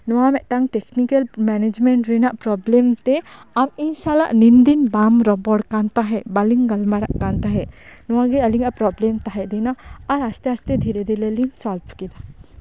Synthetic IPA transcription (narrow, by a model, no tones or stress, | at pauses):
nɔwamɛʔʈaŋʈɛknikalmɛnɛd͡ʒmɛɳʈɾɛnaʔpɾɔblɛmt̪ɛaminʃalːa̰ʔnind̪inbamɾɔbɔɽkant̪aɦɛbaliŋɡalmaɽaʔkant̪aɦɛnɔwaɡɛɐliŋapɾɔblɛmt̪aɦɛʔɾɛnaːɾast̪ɛast̪ɛd̪ʱiɾɛd̪ɛleliŋsɔlbʰʱkid̪a